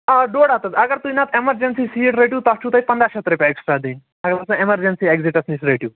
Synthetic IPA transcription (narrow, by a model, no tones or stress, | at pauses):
aɖoːɽat̪ɐt̪ɐɡəɾt̪uinɐt̪ʰemɐɾd͡ʒensisiʈɾeʈjuːt̪ɐt͡ʃʰut̪ɐipɐnd̪ɾaʃt̪ɾepʲjaeksʈɾad̪iːn | ɐɡəɾt̪ɐsɐ̃emɐɾd͡ʒensieɡziʈɐsnisɾeːʈju